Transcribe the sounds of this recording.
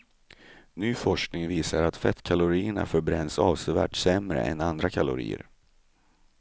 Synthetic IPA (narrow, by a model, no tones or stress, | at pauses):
nyːfɔʂknɪŋviːsaɾat̪fɛt̪kʰalʊɾiːəɳa̰fœɾbɾɛnːsɑːvsɛvæ̰ːʈsɛmɾə̰ʔɛnand̪ɾakʰalʊɾḭːə̰ɾ